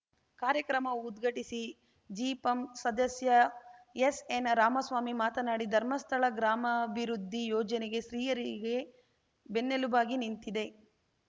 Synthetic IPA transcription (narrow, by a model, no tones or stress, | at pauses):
kaːɾjɐkɾɐmɐud̪ɡʱɐʈisi | d͡ʒiːpɐmsɐd̪ɐsjɐjesenɐɾaːmɐsʋaːmimaːt̪ɐnaːɽid̪ʱɐɾmɐst̪ʰɐɭɐɡɾaːmɐbʱiɾud̪ʱːijoːd͡ʒɐneɡe̞ʃɾiːjɐɾiɡe | benːelubaːɡinint̪id̪e̞